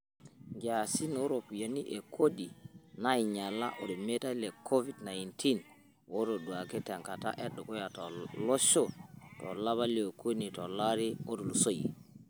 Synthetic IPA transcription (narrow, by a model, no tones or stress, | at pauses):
ŋɡasinɔɾopjaniʔɛkʰodinajɲalːa̰ʔɔɗɔmɛtalɛkʰovidnajntʰin | wɔɾɔɗuakɛtaŋkata̰ʔɛɗːɔkɔjatɔlɔʃɔtɔ̰laβaliokʰonitɔlaɾiodulsojḭ